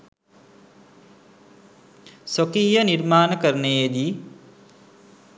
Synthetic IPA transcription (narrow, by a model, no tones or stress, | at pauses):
sokiːjəniɾmaːnəkəɾənəjed̪i